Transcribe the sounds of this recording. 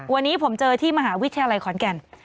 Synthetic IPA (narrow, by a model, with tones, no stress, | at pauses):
wa˧nːiː˦˥pʰo˩˦mt͡ɕɤː˧t̪ʰiː˥˩ma˧ɦaː˩˦wi˦˥t̪ʰa˧jaː˧la˧jkʰɔː˨˩˦nkɛ˧n